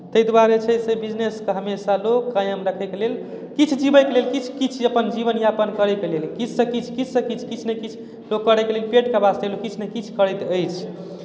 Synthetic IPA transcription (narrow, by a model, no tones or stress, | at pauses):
t̪əjd̪waɾet͡ʃʰəsebid͡ʒneskeɦəmesalokːajəmɾəkʰɛkelel | kit͡ʃʰd͡ʒibəjkelelkit͡ʃʰkit͡ʃʰəpənd͡ʒiβənjapənkəɾɛkelelkit͡ʃʰsə̃kit͡ʃʰkit͡ʃʰsə̃kit͡ʃʰkit͡ʃʰnekit͡ʃʰ | lokːəɾɛkelelpeʈkabast̪elokit͡ʃʰnekit͡ʃʰkəɾɛjt̪əjt͡ʃʰ